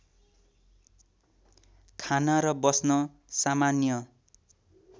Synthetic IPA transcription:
kʰanaɾʌbʌsnʌ | samanjʌ

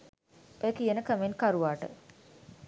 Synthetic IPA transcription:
ekijənəkəmenkaɾuʋaːʈə̰

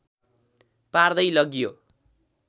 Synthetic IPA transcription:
pard̪ʌjlʌɡjo

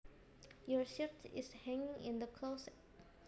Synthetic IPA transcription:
jɔɹʃɪtɪ̰shɛ̃ŋɪ̃ŋɪ̰̃ndəkʰlos

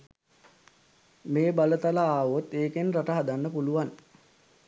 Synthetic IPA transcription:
meːbalət̪alaaːʋot̪eːkenraʈəɦad̪anːəpuluʋan

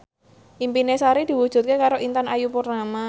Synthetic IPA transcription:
ʔimpinesaɾid̪̥i̤wud̥ʒ̥ṳt̪̚kekaɾoʔint̪anajupurnama

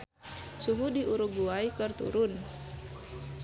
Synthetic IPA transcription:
suɦudiʔuɾuɡuajkɨrt̪ṵɾʊn

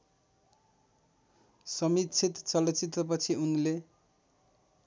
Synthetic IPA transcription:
sʌmit̪t͡sʰit̪t͡sʌlʌt͡sit̪rʌp̬ʌt͡sʰiunle

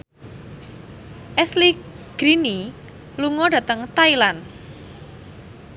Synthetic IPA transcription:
ʔɛsli | ɡ̥ɾini | luŋɔd̥ä̤t̪əŋt̪ailan

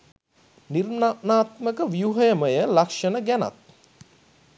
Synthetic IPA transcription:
nirnanaːt̪məkəʋijuɦəjəməjəlakʂənəɡæna̰t̪̚

